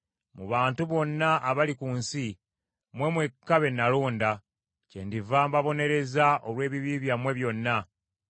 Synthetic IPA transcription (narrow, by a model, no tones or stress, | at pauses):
muβaːntuβo̞nːaʔːβalikuːnsi | mwe̞mwe̞kːaβe̞naloːnda | cendivaːmbaβo̞ne̞ɾe̞zaʔolwe̞ːβiβiβjamwe̞βjo̞nːa